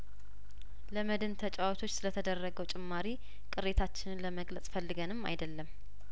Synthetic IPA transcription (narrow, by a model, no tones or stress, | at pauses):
ləməd̪ɨnt̪ʰət͡ʃʼawɔt̪ʰo̞t͡ʃːsɨlət̪ʰəd̪ərːəɡəwt͡ʃʼɪmːaɾi | kʼɨɾet̪ʰat͡ʃːɪnɨnləməɡlət͡sʼfəlːɨɡənɨmːa̰jd̪əlːəm